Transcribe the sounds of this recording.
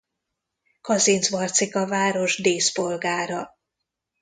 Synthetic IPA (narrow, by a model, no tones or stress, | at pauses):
kɒziːnzʋɒrt̪sikɒvaːɾo̞ʒd̪eːspo̞lɡaːɾɒ